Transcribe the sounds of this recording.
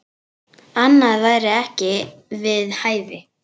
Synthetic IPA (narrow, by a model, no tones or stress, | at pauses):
anːaðvaːjɾɪɛhcɪvɪðhaːjvɪ